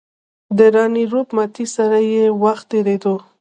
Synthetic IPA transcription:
d̪əɾɑniɾopmat̪isaɾajewaxt̪ːeɾed̪o

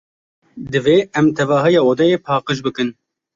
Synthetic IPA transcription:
d̪ɨveːɛmt̪ʰɛvɑːɦɨjɑːod̪ɛjeːpʰɑːqɨʃ̬bɨkɨn

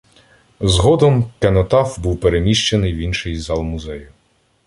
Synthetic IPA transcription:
zɦɔd̪ɔmkenɔt̪ɑfbuwpeɾemʲiʃt͡ʃenɪjwʲinʃɪjzɑlˠmʊzɛjʊ

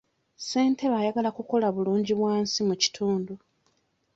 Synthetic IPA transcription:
se̞ːntʰe̞βajaɡalakuko̞laβuluːɲɟiβwaːnsimuci̥tʰuːndu

